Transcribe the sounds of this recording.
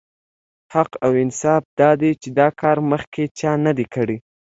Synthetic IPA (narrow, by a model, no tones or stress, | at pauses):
haqawɪnsɑfd̪ɑd̪et͡ʃed̪ɑkʰɑɾməxkʰet͡ʃɑnad̪ekəɽi